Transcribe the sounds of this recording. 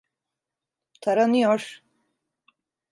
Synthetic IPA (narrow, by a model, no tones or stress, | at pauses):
t̪ʰaɾanɯjoɾ